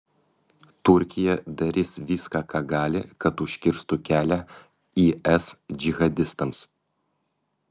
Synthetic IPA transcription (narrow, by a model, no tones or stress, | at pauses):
t̪ʊɾʲkʲɪjɛd̪ɐɾʲɪsʋʲiːskɐkɐɡɑːlʲɪ̰kɐt̪uʃʲkʲɪɾst̪ʊkʲæːlʲɛ | iɛsd͡ʒʲɪɣɐd̪ʲɪst̪ɐms